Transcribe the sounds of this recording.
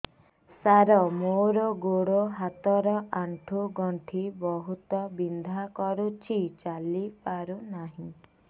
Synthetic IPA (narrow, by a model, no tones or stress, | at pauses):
saɾɔmoɾɔɡoɽoɦat̪ɔɾɔʔaɳʈʰuɡɔɳʈʰibɔɦut̪ɔbind̪ʱakɔɾut͡ʃʰit͡ʃalipaɾunaɦĩ